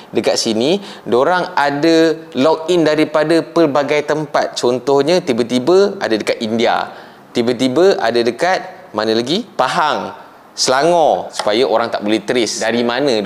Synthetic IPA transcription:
dəkat̪̚sini | doɾaŋada | lɔk̚indaɾipadapərbaɡajt̪əmpat̪̚t͡ʃɔnt̪ɔhɲãt̪ibət̪ibəadadəkat̪̚india̰ | t̪ibət̪̬ibəʔa̰dadəkat̪̚ | manə̃laɡipaɦaŋ | səlaŋɔ̃su̥pajaʔoɾaŋt̪aʔbolɛht̪əɾɪsdaɾimanə̃

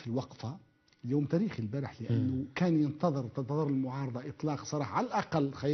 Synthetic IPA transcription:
filwɑqfa | juːmt̪æɾiːxilbæɾəħləʔənːʊkænjənt̪ɑðˤəɾt̪ɑnt̪ɑðˤəɾəlmʊʕɑːɾˤɑd̪ˤɑʔət̪ˤlɑːqsˤɑɾˤɑːħaʕalælʔɑqɑlːxɑ

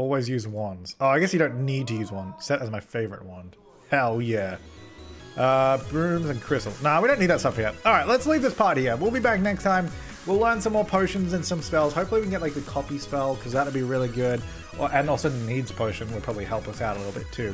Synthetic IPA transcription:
ɔlˠwizjʉzwʌ̃nz̥oʊaɪɡɛsjɨɾõʊ̃nːid̚tʰɨjʉzwʌ̃nsɛɾɨzmaɪfeɪvə˞ɨ̰t̚wʌ̃n̥ | hɛlˠjæ | ʔʌbɹʉ̃mzɨ̃nkʰɹ̥ɪstl̩ˠznaʊwiɾõʊ̃nid̪ðɨtsʌfhiɔlˠɹaɪtˡlətslivðɪspʰɑɹt̚hiɹwilˠbibæk̚nɛkstʰãɪ̃m | wilˠlɜ̃˞nsʌ̃mːɔɹpʰoʊʃɨ̃nzɨ̃nsʌ̃mspɛlˠz̥hoʊpfl̩iwikn̩ɡɛʔ̚laɪk̚ðɨkʰɑpispɛlˠkʰʌzðət̚əd̚biɹɪlˠiɡʊd | ʔʔɨ̃nɔlˠsoʊðnidz̥pʰoʊʃɨ̃nwɪpʰɑbəblihɛlˠpʌsaʊɾəlɪɾl̩ˠbɪ̰tʰʉ

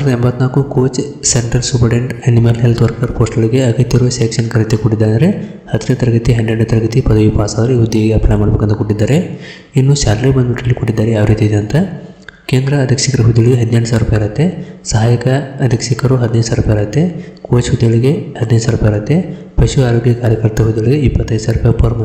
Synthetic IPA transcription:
sɾd̪ɐembɐt̪ːnaːkukoːt͡ʃseɳʈɾɐlsupɐɖeɳʈɐnimɐlɦelt̪ʋɐɾkɐɾpoːsʈɐɭiɡeɐɡɐt̪ːjɐɾuseːkʂɐnkɐɾɐt̪ːekuʈːid̪ːaːɐnd̪ɐɾe | hɐd̪ːɐneɐt̪ɐɾɐɡɐt̪iɦɐɳɖɾeɳɖut̪ɐɾɐɡɐt̪ipɐd̪ɐjupaːsad̪ɐliɦud̪ːiɐɡeɐplaːmaːɽɐbekɐnt̪ɐkoʈːid̪ːaːɾe | inːuʃaːlɾebɐnd̪uʈɐlːikuʈːid̪ːaːɾeaːʋɐɾiːt̪iid̪eɐnt̪ɐ | keːnd̪ɾɐːd̪ʱjɐkʂikɐɾɐɦud̪ijɐɭiɡeɦɐd̪neɖɐsaːʋɾupɐiɾɐt̪ːesɐɦaːjɐkɐɐd̪ʱjɐkʂikɐɾuɦɐd̪inɐj̪saːɾupɐjɾɐt̪ːekoːt͡ʃɦud̪ːijɐɭiɡehɐd̪inɐj̪saːɾupɐjɾɐt̪ːe | pɐʃuaːɾoːɡjɐkaːɾjɐkɐɾt̪ɐɦud̪ːijɐɭiɡeipːɐt̪ːɐjsaːɾupɐjpɐɾmɐ

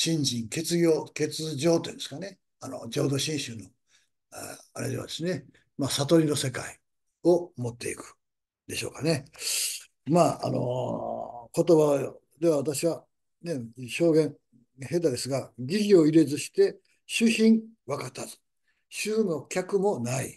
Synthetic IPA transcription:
ɕĩɲd͡ʑĩŋke̞t͡sɨɡʲo̞ːke̞t͡sɨd͡ʑo̞ːt̪ojĩnd̪esɨ̥kane̞ | ano̰d͡ʑo̞ːd̪o̞ɕĩɰ̃ɕɨno̞̰ | aɾe̞̰d̪e̞a̰d̪esɨne | masat̪o̞ɾʲino̞se̞kai | o̞mo̞t̪ːe̞ikɯ̥ | d̪̥e̞ɕo̞ːkane̞ | maːa̰no̞̰ | ko̞t̪o̞βa | d̪e̞βaβat̪aɕiβa | ne̞ɕo̞ːɡẽ̞ŋ | he̞t̪ad̪e̞sɨɡaɡʲiɡʲio̞iɾe̞zɨɕi̥t̪e̞ | ɕɨçĩŋβakat̪azɨ̥ | ɕɨːno̞kʲakɯ̟mo̞naḭ

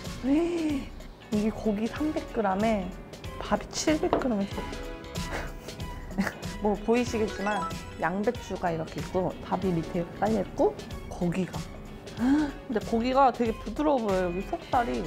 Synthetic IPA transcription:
e | iɡe̞koɡisʰambe̞k̚k͈ɯɾame̞ | pabit͡ɕʰiɭbe̞k̚k͈ɯɾʌmenʰʌ | mwʌpoiɕʰiɡe̞t̚t͡ɕ͈iman | jaŋbe̞t͡ɕ͈ʰuɡaiɾʌkʰe̞ik͈otabimitʰet͈aʎːet̚k͈o | koɡiɡa | kʰɯnde̞koɡiɡatwe̞ɡe̞pudɯɾʌbojoojʌɡisʰok̚t͈aɾi

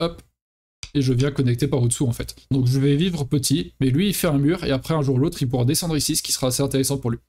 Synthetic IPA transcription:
ɔp | eʒəvjɛ̃kɔnɛk̚t̪epaʁod̪əsuɑ̃fɛt̪d̪ɔ̃kʒəvɛvivʁəpət̪ʰimɛlɥiːfɛɛ̃myʁḛapχɛɛ̃ʒuʁulot̪χilp̬uʁad̪esɑ̃d̪ʁisisə̥kʲi̥səʁaːsezɛ̃t̪eʁesɑ̃puʁlɥi

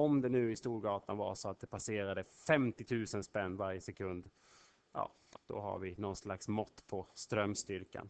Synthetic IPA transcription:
ɔmd̪ɛnʉ̟ːɪst̪uːɾɡɑːt̪anva̰ʂɔat̪̚d̪ɛpʰaseːɾad̪əfɛmt̪ɪt̪ʰʉ̟ːsənspɛnːvaɾjəsɛkʰɵnd̪ | jʔɑ̰ː | d̪̥ɔ̰ɦa̰ɾvɪnɔnslaksmɔt̪ːpʰɔst̪ɾœmːst̪ʏɾka̰n

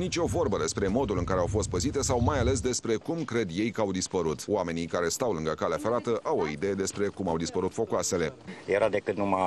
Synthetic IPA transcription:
nit͡ʃʲo̞vo̞rbəd̪e̞spɾe̞mo̞d̪ulɨŋkaɾeawfo̞st̪̚pəzit̪e̞sawmajale̞s̬d̪e̞spɾe̞kumkɾe̞d̪je̞jkəawd̪ispəɾut̪o̰ame̞nikaɾe̞st̪awlɨŋɡəkaleafe̞ɾat̪əʔawo̞id̪e̞je̞d̪e̞spɾe̞kumawd̪ispəɾut̪fo̞kwase̞le̞jeɾad̪e̞kɨt̪numa

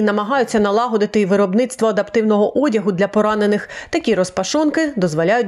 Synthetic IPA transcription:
nɐmɐɦɑjʊt͡sʲːɐnɐlˠɑɦɔd̪ɪt̪ɪʋɪɾɔbnɪt̪st̪ʋɔɐd̪ɐpt̪ɪwnɔɦɔʔɔdʲɐɦʊd̪lʲɐpɔɾɑne̞nɪxt̪ɐkʲiɾɔspɐʃɔnkɪd̪ɔzʋɔlʲajʊtʲ

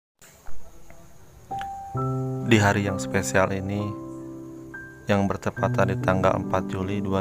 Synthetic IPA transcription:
diɦaɾijaŋspesialini | jaŋbərt̪əpat̪andit̪aŋɡa̰lə̰mpat̪̚d͡ʒulidua

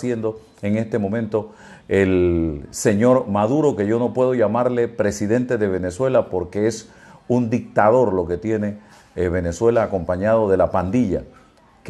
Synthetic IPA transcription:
sje̞nd̪o̞ | eŋe̞st̪e̞mõ̞mẽ̞nt̪o̞ | else̞ɲo̞ɾmaðuɾo̞ke̞ʝo̞no̞pwe̞ð̞o̞ʝamaɾle̞pɾe̞siðe̞nt̪e̞ðe̞β̞e̞ne̞swe̞lapo̞ɾke̞es | und̪ik̚t̪að̞o̞ɾlo̞ke̞t̪je̞ne̞ | βe̞ne̞swe̞laːko̞mpaɲaðo̞ðe̞lapand̪iʎa | k

